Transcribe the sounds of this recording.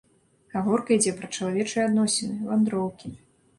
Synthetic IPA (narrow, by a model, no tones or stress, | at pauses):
kaɣɔrkɐid͡zʲɛpɾɐt͡ʂɐlˠavʲɛt͡ʂɨjɛad̪nɔsʲɛnɨvand̪ɾɔwkʲi